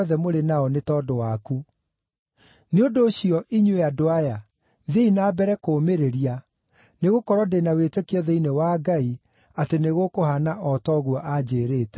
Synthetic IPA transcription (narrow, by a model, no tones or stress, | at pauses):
ðɛmoɾenaɔnetɔdowaku | neondoːɕiɔʔiɲweadoaja | ðeinaːbɛɾɛkoːmeɾeɾia | neɣokɔɾwɔdenawetekeɔðeinewaɡai | ateneɣokohanaʔɔtɔɣwɔʔad͡ʑeːɾeːtɛ